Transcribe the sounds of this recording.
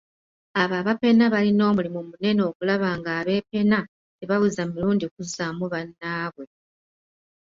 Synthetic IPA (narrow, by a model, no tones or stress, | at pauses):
aβaβape̞naβalino̞ːmulimumune̞noːkulaβaːŋɡaːβe̞pe̞na | teβawuzamiɾuːndikuzamuβanːaːβwe̞